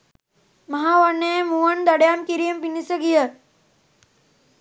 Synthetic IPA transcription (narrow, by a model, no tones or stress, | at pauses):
mɐɦaːʋɐɾneemuwɐnd̪ɐɽjaːmkiɾijɐmpinisɐɡijɐ